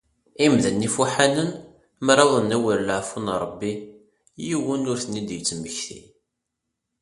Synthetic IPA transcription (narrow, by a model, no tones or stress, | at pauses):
imðənːifuħanən | mɾˤɑðˤənːæwiɾlaʕfunɾˤəbːi | jiwənʊɾθənːid̪jət͡sːməçθḭ